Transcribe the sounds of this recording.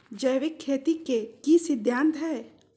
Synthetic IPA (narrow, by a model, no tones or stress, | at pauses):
d͡ʒəjʋɪkʰːeːt̪ikekisɪd̪ʱjaːnt̪ʰɦɛː